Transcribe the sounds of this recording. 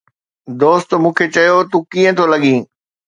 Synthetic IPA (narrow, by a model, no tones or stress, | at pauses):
d̪oːst̪mũːkʰet͡ɕɐjot̪ũkĩːə̃t̪ʰolɐɠĩː